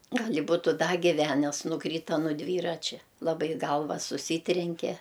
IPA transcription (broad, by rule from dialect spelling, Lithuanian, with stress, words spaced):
ˈɡɐlʲ ɪ ˈbʊtʊ ˈdɐ ɡʲɪˈʋʲænʲɛs nʊˈkrʲiːtɐ nʊ ˈdʲʋʲiːrɐt͡ʃʲɛ lˠɐˈbɐɪ ˈɡɐlˠʋɐ sʊˈsʲiːtʲrʲɛŋʲkʲɛ